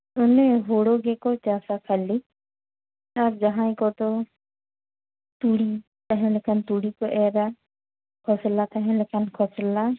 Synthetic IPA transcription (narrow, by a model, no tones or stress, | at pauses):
ʊneɦoːɽoɡekot͡ʃaːsakʰɐli | ɐɾd͡ʒɐɦãĩkot̪o | t̪uːɽi | t̪ɐɦɛ̃lekʰənt̪uːɽikoʔeːɾa | kʰɔslat̪ɐɦẽlekʰənkʰɔsəla